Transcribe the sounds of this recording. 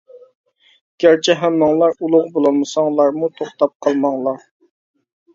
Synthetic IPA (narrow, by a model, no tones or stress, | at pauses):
ɡ̥ʲæɾt͡ʃʰɛɦæmːɨŋlˠɑɾulˠʊʁbolˠɑlˠmɨsɑŋlˠɑɾmut̪ʰoχt̪ɑp̚qʰɑlˠmɑŋlˠɑɾ